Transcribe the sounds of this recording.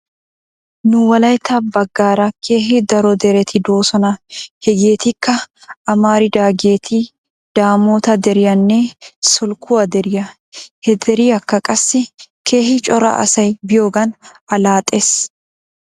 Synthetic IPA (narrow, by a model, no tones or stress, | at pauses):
nʊwɐlɐjt̪ʰɐbɐɡːaːɾɐkʰe̞ːhɪd̪ɐɾɔd̪ɛɾɛt̪ʰɪd̪o̞ːsɔnɐhɛɡeːt̪ɪkːɐʔːmaːɾɪd̪aːɡe̞ːt̪ʰi | d̪̥aːmoːt̪ɐd̪ɛɾɪjɐnːeːsɔlkʰʊɐd̪ɛɾɪjɐ | hɛd̪ɛɾiːɐkːɐkʼɐsːɪkʰe̞ːhɪt͡ʃʼɔɾɐ̰ʔɐ̰sɐjbɪjoːɡɐnɐlaːt̪ʼes